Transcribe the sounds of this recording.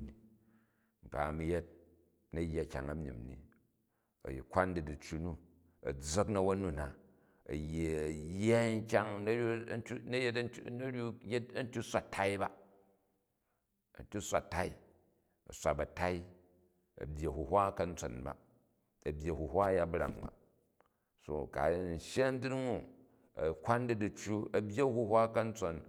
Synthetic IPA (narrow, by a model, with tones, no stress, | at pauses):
i˨ | ŋ̩˨ka̰˨mi˨je˦t̚ | nɐ˦ja˦˨kʲa̰˨ŋɐ˨mḭ˨mnḭ˨ | ɐ̰˨jḭ˨kʷa˦n˦di˨di˨t͡ʃːu˦nu˦˨ | ɐ̰˨d͡zɐ˦knɐ˦wɐ˦nu˦˨na˨ | ɐ̰˨jːe˨ɐ˨ja˦ŋ̩˦kʲa˦ŋn˦tu˦nɐ˦je˦tnɐ˦ɾʲju˦je˦tɐ˦n˦tʲu˦sʷa˨tʰa˦i˦ba˨ | ɐ̰˨n˨tʲu˦sʷa̰˨ta˦i˦ | ɐ̰˨sʷa̰˨bɐ˨ta˦i˦ | ɐ̰˨bʲje˨hu˨hʷa˦kɐ˨n̩˦t͡so˨nba̰˨ | ɐ˨bʲje˨hu˨hʷwa˦ja˦bɾa̰˨ŋba̰˨ | so̰˨ka̰˨˦n̩˨ʃe˦n˦di˦ɾŋu˦˨ | ɐ̰˨kʷa˦ndi˦du˨t͡ʃu˦ɐ˨bʲje˦hu˦hwa˦kɐ˦n̩˦t͡so˨n